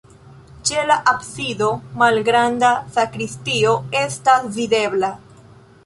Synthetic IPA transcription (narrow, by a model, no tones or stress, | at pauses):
t͡ʃe̞laʔabsido̞malɡɾandasakɾistio̞e̞stasvide̞bla